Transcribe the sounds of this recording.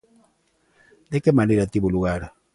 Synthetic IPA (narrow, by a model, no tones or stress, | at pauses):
ndɛkɛmaniɾatiβuluɣaɾa